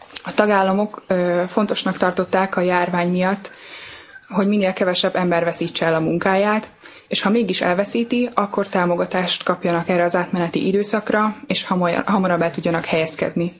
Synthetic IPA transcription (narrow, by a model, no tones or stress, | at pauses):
ɒt̪ɒɡaːlːɒmo̞kːfo̞n̪t̪o̞ʃnɒkt̪ɒrt̪o̞t̪ːaːkɒjaːrvaːɲmijɒt̪ː | ɦo̞ɟminːeːlkɛvɛʃɛbːɛmbɛrvɛsiːt͡ʃːɛɛlɒmuŋkaːjaːt̪ | eːʃhɒmeːɡiʃɛ̰lvɛsiːt̪iɒkːo̞rt̪aːmo̞ɡɒt̪aːʃt̪kɒpjɒnɒkɛrːɛɒzaːt̪mɛnɛt̪ḭʔid̪øːsɒkrɒeːʃɦɒmɒɾɒbɛt̪uɟːɒnɒkhɛjɛskɛ̰d̪ni